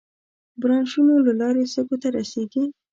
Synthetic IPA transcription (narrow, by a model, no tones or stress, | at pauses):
bɾɑnʃunolalɑɾesəɡot̪aɾaseɡi